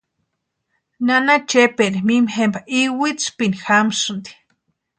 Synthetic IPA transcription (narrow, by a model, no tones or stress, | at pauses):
nanat͡ʃepeɾimimhembaʔiwit͡spinixamsund̪i̥